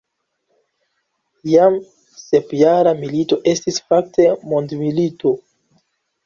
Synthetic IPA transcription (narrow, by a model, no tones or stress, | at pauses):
jam | se̞pjaɾamilito̞ʔe̞stisfak̚tʰe̞mo̞ndmilito̞